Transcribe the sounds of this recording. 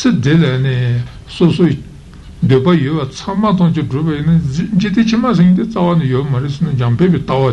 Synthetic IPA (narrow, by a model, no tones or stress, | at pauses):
sʰəd̪elane | sʰosʰo | nd̪øpajøʔwat͡sʰaŋmat̪̬ɑŋt͡ɕiɖ͡ʐopajinːaɲd͡ʑit̪et͡ɕʰimaseŋit̪et͡sawanejomaɾesenad͡ʑɑŋpʰeʔpet̪awa